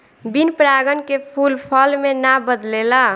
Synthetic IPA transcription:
binpɾaɡənkepʰulpʰəlmenabəd̪lela

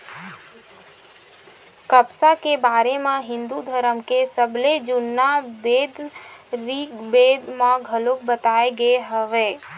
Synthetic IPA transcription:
kəpsakebaːɾemẽɦɪ̃nd̪ud̪ʱəɾəmkesəbled͡ʒʊnːabeːd̪ | ɾiːkbeːd̪mãɡʱəlokbət̪aːeɡeɦəʋeː

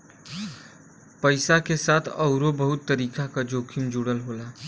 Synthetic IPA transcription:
pəɪsakesat̪ʰəʊɾobəɦut̪ːəɾiːkakad͡ʒoːkʰimd͡ʒuɽəlɦola

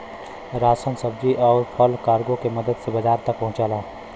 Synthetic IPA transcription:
ɾaːsənsəb̚d͡ʒiʔɔːɾpʰɔlkaːɾɡõkemɐd̪əd̪sebɐzaːɾt̪ɐk̚pɐ̃ɦʊ̃t͡ʃaːla

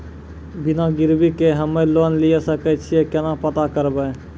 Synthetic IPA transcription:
bɪnaɡɪɾbikeɦəmeloːnlijesəkɛt͡ʃʰiekɛnapət̪akəɾbəː

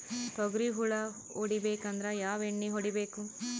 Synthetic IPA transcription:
t̪ɔɡɾiɦuɭɐ | oɽibeːkɐnd̪ɾɐjaːʋeɳːiɦoɽibeːku

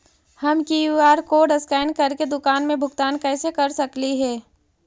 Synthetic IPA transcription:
hɐmkijuaːɾkoːɖɐskaːɪnkɐɾked̪ʊkaːnmẽbʱʊɡt̪aːnkɛːsekɐɾsɐkliɦɛː

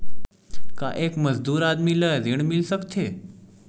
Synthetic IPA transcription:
ka̰ʔekməzd̪uːɾad̪miːləd͡ziɳmilsəkt̪ʰe

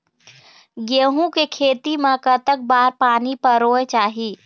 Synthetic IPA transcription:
ɡeɦũkekʰeːt̪imekət̪ək̚baːɾpaːnipəɾoːet͡ʃaːɦi

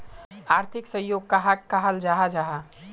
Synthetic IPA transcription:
aɾt̪ʰiksəjoɡ̚kaɦakkaɦəld͡ʒaɦad͡ʒaɦa

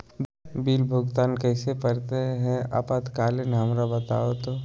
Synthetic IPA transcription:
biːlbʱʊɡt̪aːnkɛːsepɐɾt̪eɦɛ̃a̰pat̪kaːlɪnɦɐmɾabɐt̪a̰ːot̪oː

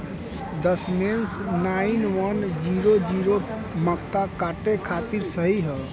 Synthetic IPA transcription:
d̪əsmensnainʋənd͡ʒiɾod͡ʒiɾo | məkːakaʈekʰat̪iɾsəɦiɦəl

